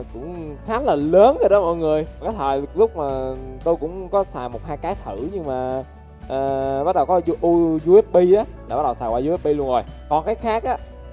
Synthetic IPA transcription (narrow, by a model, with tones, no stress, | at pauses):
kʊ̰˧˥ŋ͡mxaː˨˦˥nlaː˨˩ləː˨˦nkə˧˦ɗɔ˨˦mʔɔ̰ː˧˨jŋɨ˨˩əjkaː˨˦jt̪ʰəː˨˩jlʊ˦˥k͡p̚maː˨˩t̪o˧jkʊ̰˧˥wŋ͡mkɔ˨˦saː˨˩mo˨˩t̚haː˧jkaː˨˦jt̪ʰɨ˧˩ɲɨ˧ŋmaː˨˩ | ʔəː˨˩ɓa˦˥t̚ɗə˨˩wkɔ˨˦zu˧ʔu˧zu˧ʔe˦˥p̚ɓi˧ʔaː˨˦la̰ː˨˧˩a˦˥ɗə˨˩wsaː˨˩waː˧u˧˦˥p̚ɓi˧lu˧ənzo˨˩jkɔ˨˩nkaː˨˦jxaː˦˥k̚ʔaː˨˦